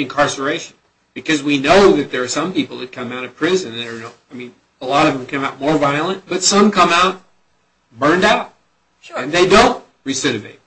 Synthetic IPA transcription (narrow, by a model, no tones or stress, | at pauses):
ɨ̃nkʰɑɹsə˞eɪʃɨ̃n̩ | b̥ɨkʰʌzwinoʊðɨt̪̚ðə˞ːsʌ̃mpipl̩ˠðɨt̚kʰʌ̃maʊɾʌv̥pʰɹ̥ɪzɨ̃ñə˞nʊaɪmĩn | əlɔɾʌvə̃mkʰʌ̃maʊt̚mɔɹvaɪl̩ˠə̃nb̥ʌtsʌ̃mkʰʌ̃maʊt̚ | bɜ̃˞ndaʊt̚ | ɨ̃nðeɪdõʊ̃nt | ɹisɪɾɨvḛɪt̚